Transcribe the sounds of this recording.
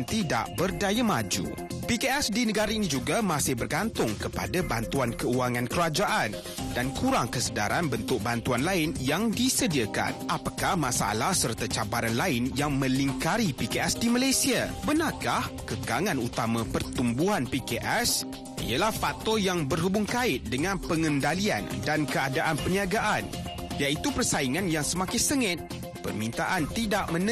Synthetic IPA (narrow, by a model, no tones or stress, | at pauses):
nt̪ida̰ʔbərdajamad͡ʒṵ | pikeɛsdinəɡaɾainĩd͡ʒuɡamãsɪhbərɡant̪ʊŋkəpa̰dabant̪uankəuaŋãnkəɾad͡ʒaʔan | dankuɾaŋkəsəda̰ɾʔanbənt̪ʊk̚bant̪uanlaɪnjaŋdisədiaka̰nʔapakahmasaa̰lahsərt̪at͡ʃabaɾanlaɪnjaŋmə̃liŋkaɾipikeɛsdimalajsiabənakahkəɡaŋãnut̪amãpərt̪umbuɦanpikeʔɛs | ḭəlahfak̚t̪ɔjaŋbərɦubʊŋkaɪt̪̚dəŋãnpəŋəndalia̰ndankəadaʔanpəniaɡaʔan | jaʔit̪upərsaiŋanjaŋsəmãkɪŋsəŋɪt̪̚ | pə̰rmĩnt̪aʔant̪idaʔmə̃n